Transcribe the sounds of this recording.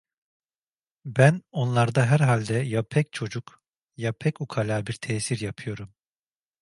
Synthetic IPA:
bæno̞nlˠaɾd̪aɦæɾɦalʲd̪ɛjapʰɛc̚t͡ʃʰo̞d͡ʒuk | japʰɛcukʰalʲaːbiɾt̪ʰɛːsiɾjapʰɯjo̞ɾum

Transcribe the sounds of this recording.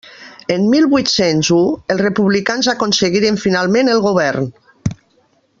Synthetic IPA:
əmmilˠβwit̪senzuəlˠsrəpuβlikanzakonsəɣiɾəɱfinalˠmẽnəlˠɣoβɛrn

